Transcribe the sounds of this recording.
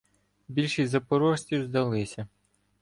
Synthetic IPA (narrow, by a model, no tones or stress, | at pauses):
bʲilʲʃizɐpɔɾɔʃʲtʲiwzd̪ɐlˠɪsʲɐ